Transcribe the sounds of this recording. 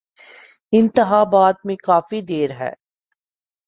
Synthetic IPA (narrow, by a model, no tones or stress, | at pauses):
ɪ̃nt̪ɪɦaːbaːt̪̚mẽkaːfid̪eːɾɦɛ̰ː